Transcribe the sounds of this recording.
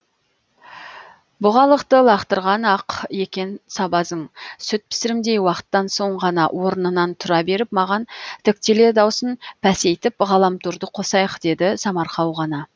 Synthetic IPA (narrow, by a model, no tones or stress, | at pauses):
bʊʁɑlˠəqt̪əlˠɑqt̪əɾʁɑnɑqje̞kʲe̞nsɑbɑzəɴsʏt̪̚pʰɪ̥sɪɾɪmd̪e̞jwɑqə̥t̪ːɑnso̞ɴʁɑnɑwʔo̞ɾənənɑnt̪ʰʊɾɑbe̞ɾɪpmɑʁɑnt̪ʰʏk̚t̪ele̞d̪ɑwsənpʰæse̞jt̪ɪpʁɑlˠɑmt̪ʰuɾd̪əqʰo̞sɑjqd̪e̞d̪ɪsɑmɑɾqɑwʁɑnɑ